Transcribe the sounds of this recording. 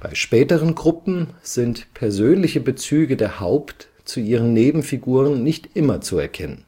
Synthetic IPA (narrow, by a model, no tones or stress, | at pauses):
b̥a̰ɪʃpɛːtəʁ̞ənɡʁʊpm̩z̥ɪntpʰɛɐzøːnlɪçəbət͡syːɡədeːɐhaʊpt | t͡suʔiːʁ̞ənːeːbm̩fiɡuːʁ̞ənːɪçtʔɪmɐt͡suɛ̰ɐkʰɛnən